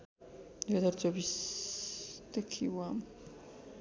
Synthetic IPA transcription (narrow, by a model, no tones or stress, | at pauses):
ad̪aɾd̪zɛbis | d̪ɛkʰiwa